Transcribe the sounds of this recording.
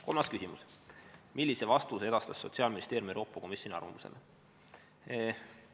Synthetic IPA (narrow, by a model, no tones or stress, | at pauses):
ko̞lmɑskysimusmʔilʲːisevɑst̪use̞d̪̥ɑst̪ɑsːo̞t̪siɑːlminist̪e̞ːɾjumieɾo̞ːpːˑɑko̞misʲjo̞nʲiɑ̰rvɑ̰muse̞̰lʔe